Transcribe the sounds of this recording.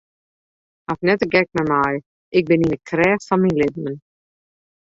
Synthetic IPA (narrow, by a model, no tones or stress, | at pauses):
afnɛtəɡɛk̚mɛmaj | ɪk̚bɪninəkʰrɛːxfɔnminlɪdəmən